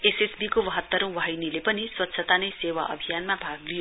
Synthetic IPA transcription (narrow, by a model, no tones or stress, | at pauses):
esesbikowʌɦʌt̪ːʌɾũwaɦjnilepʌniswʌt̪ːsʰʌt̪anʌjsewa̰ʔʌ̰bʱijanmabʱaɡlijo